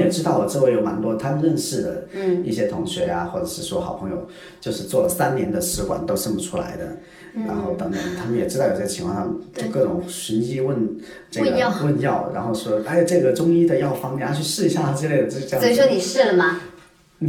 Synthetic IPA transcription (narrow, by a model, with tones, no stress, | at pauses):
jɛ˨˩ʈ͡ʂɻ̩˥t̪ɑ˥˩ʊwɔ˨˩ʈ͡ʂɻ̩˥˧˥wɪjo˧˥ʊma̰˨˩nt̪wɔ˥t̪ʰa˥mə˧nɻə˥˧nʂɻ̩˥˩d̪ə̰˩i˥˩ɕjɛ˥t̪ʰʊ˧˥ŋɕɥɛ̰˧˥ja̰˧xwɔ˥˩ʈ͡ʂə˨˩ʂɻ̩˥˩ʂwɔ˥xɑ˨˩ʊpʰɤ˧˥ŋjo̰˨˧˩ʊ | t͡ɕjo˥˧ʊʂɻ̩˥˧t͡swɔ˥˩lə˩sa˥nnjɛ˧˥nd̪ə˧ʂɻ̩˧˥kwa̰˨˩nt̪o˥ʊʂə˥˩ŋpu˨˩ʈ͡ʂʰu˥la̰˧˥ɪd̪ə̰˧ | a̰˧˥nxo˥˩ʊt̪ə˧˥ŋt̪ə˨˩ŋt̪ʰa˥mə˨njɛ˨˩ʈ͡ʂɻ̩˥ɑ˥˩jo˨˩ɤ˥˩ət͡ɕʰi˧˥ŋʰɑ˥˧˥ʂʰɑ˥˩t͡ɕo˥˧ʊkɤ˥˩ʈ͡ʂʊ̰˨˩ŋɕə˧˥ni˥wə˥˩n | ʈ͡ʂɤ˥˩˥ɡwə˥˧njɑ˥˩ʊɻa̰˧˥nxo˥˩ʊʂwɔ˥a˥˩˧ʈ͡ʂɤ˥˩ɡə˩ʈ͡ʂʊ˥ŋi˥d̪ə˨jɑ˥˩ʊfɑ˥ŋt̪jɛ˥˩nʰa˥t͡ɕʰy˥˧ʂɻ̩˥˩i˧˥ɕja˥˩t̪ʰa˥ʈ͡ʂɻ̩˥˧le˥˩ɪd̪ə˩t͡ɕ̩˥˧˥ʂwɔ˥ni˨˩ʂɻ̩˥˩lə˩mɐ˩